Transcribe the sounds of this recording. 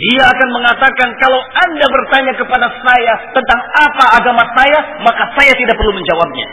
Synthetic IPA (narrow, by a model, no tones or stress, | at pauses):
diaːkanməŋat̪akankalawandabərt̪aɲakəpadasajat̪ənt̪aŋapaːɡamasaja | makasajat̪idaʔpərluməɲd͡ʒawab̚ɲa̰